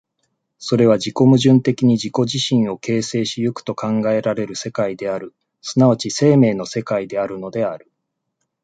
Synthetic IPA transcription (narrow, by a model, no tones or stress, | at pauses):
so̞ɾe̞β̞ad͡ʑiko̞mɯ̟ʑɨ̃nt̪e̞kʲiɲ̟iʑiko̞ʑiɕĩɰ̃o̞ke̞ːse̞ːɕijɯ̟kɯ̟̥t̪o̞kãŋɡae̞ɾaɾe̞ɾɯ̟se̞kaid̪e̞aɾɯ̟ | sɨnaβat͡ɕise̞ːme̞ːno̞se̞kaid̪e̞aɾɯ̟no̞d̪e̞aɾɯ̟